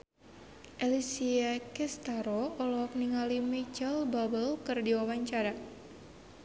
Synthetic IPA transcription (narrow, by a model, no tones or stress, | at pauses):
ʔɛlisiakɛst̪aɾoɔlɔk̚niŋalimit͡ʃəlbabəlkɨrdiwawaɲt͡ʃaɾa